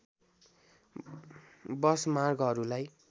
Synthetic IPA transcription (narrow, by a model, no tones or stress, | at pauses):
bʌsmarɡʌɾulaj